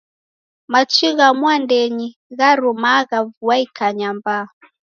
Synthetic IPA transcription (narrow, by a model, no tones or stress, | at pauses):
mat͡ʃiɣamwandɛɲiɣaɾumaɣavuaikaɲamba